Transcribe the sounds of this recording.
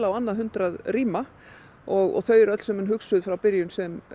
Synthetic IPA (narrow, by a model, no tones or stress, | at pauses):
lawanːaðɦʏnt̪ɾaðriːma | ɔɣɔ̰ɣθœːɥɾœt̪l̥sɛmʏnɦʏksʏðfɾawpɪɾjʏnsɛm